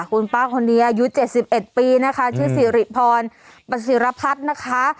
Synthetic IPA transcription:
kʰu˧npaː˥˩kʰo˧nːiː˧ʔaː˧ju˦˥t͡ɕe˨˩t̪̚si˨˩p̚ʔe˨˩t̪̚piː˧na˦˥kʰa˦˥t͡ɕʰɯː˥˩si˨˩˦ɾi˨˩pʰɔː˧n | pa˧si˨˩˦ɾa˧pʰa˦˥t̪̚na˦˥kʰa˦˥

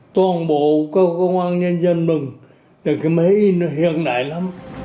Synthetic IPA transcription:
t̪wɔː˧˩nɓo˧˨kə˧kə˧wŋaː˧ŋɲə˧nzə˧nmɨ˨˩ŋ | la˨˩kʰi˨˦ma˧˦i˧˩n˨ɦi˧˨ənɗa̰ː˧˨jla˨˧˦m

